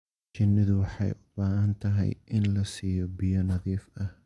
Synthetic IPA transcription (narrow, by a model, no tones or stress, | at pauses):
t͡ʃɪnːɪðʊwɑħɑ̰jʊbaːɦɐnt̪ʰɐɦɛ̰jʔɪnlɐsiːjɔbɪjɔnɐðiːfʔɐh